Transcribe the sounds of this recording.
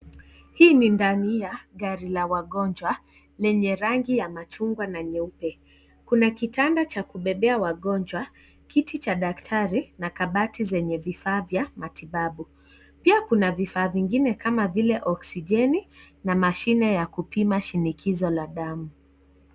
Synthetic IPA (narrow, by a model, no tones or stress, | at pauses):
hiːnindanijaɠaɾilawaɠɔnd͡ʒwa | lɛɲɛɾaŋɡijamat͡ʃuŋɡwanaɲɛupɛ | kunakitandat͡ʃakuɓɛɓɛawaɠɔnd͡ʒwa | kitit͡ʃaɗaktʰaɾinakaɓatizɛɲɛvifaːvjamatiɓaɓu | piakunavifaːviŋɡinɛkamavilɛʔɔksiʄɛni | namaʃinɛjakupimaʃinikʰizɔlaɗamu